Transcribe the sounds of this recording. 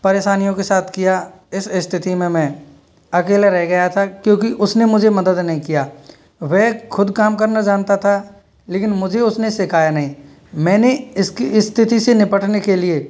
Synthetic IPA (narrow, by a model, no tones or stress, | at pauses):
pɐɾeːʃaːnijõkesaːt̪ʰkija | ɪsɪst̪ʰɪt̪imẽmɛ̃ː | ɐkeːleɾɛɦɡɐjat̪ʰakjõːkiʔʊsnemʊd͡ʒʱemɐd̪əd̪nɐɦĩkijaː | ʋɛːxʊd̪kaːmkɐɾnad͡ʒaːnt̪at̪ʰa | leːkɪnmʊd͡ʒʱeʊsnesɪkʰaːjanɐɦĩ | mɛ̃ːneɪskiɪst̪ʰɪt̪isenɪpəʈʰnekelie